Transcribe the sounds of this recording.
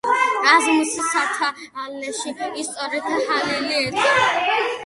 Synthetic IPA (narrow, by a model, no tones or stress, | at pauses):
azmisisat̪ʰaːlnɛʃiːst̪sʼɔɾɛt̪ʰahaliliɛt̪ʼɔ